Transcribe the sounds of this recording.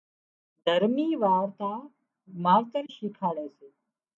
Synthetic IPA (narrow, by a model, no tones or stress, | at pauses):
d̪ʱəɾmiːʋaːɾt̪aː | maːɾt̪əɾʃikʰaːɭeːseː